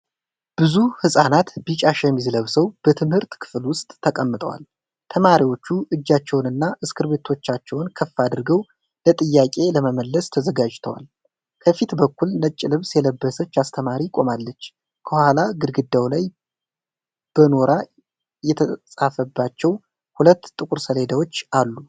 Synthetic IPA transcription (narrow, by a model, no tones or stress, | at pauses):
b̥ɨzuhɨsʼanat̪bit͡ʃʼaʃɛmizɨləβsəwb̥ət̪ʰɨmhɨɾt̪kʰɨ̥flwʊst̪ʼʰːəkʼəmːɨt̪ʼə̰wa̰l | t̪ʰəmaɾiwo̞t͡ʃːuʔɨd͡ʒːat͡ʃːɛwnɨnːaʔɨskʰɨɾbe̞t̪ʰo̞t͡ʃːat͡ʃːɛwnkʰəfːad̪ɨɾɡəw | lət̪ʼɨjːakʼe̞ləməməlːəst̪ʰəzəɡad͡ʒt̪ʰəwa̰l | kʰəfit̪bəkːulnət͡ʃʼːɪlɨβsjɛləbːəsət͡ʃːast̪ʰəmaɾikʼo̞malːət͡ʃː | kʰəhʷalaɡɨdɡɨd̪ːawlaj | b̥əno̞ɾʔa | jɛt̪ʰəsʼafəbːat͡ʃːɛw | hulət̪ːt̪ʼːɨkʼuɾsəlhed̪awo̞t͡ʃːalːu